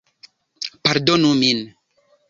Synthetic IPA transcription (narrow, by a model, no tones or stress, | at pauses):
paɾd̪onumin